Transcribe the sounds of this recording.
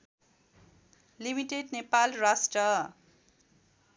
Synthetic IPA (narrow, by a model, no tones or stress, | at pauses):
limiʈeɖnepalrasʈrʌ